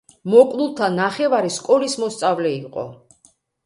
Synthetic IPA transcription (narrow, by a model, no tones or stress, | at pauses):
mɔkʼlulˠt̪ʰanaχɛvaɾiskʼɔlismɔst̪sʼavlɛiqʼɔ̰